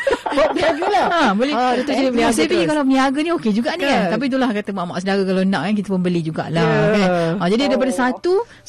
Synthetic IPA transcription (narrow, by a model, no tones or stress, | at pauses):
aɡulaãbolɛt̪asepikalapəniaɡanĩoked͡ʒuɡaʔnikant̪ap̬it̪̬ulahkat̪əmaʔma̰ʔsədaɣəkalaənãʔkank̬it̪əpʊnbəlid͡ʒuɡa̰ʔlahokanãd͡ʒadiadipadəsat̪u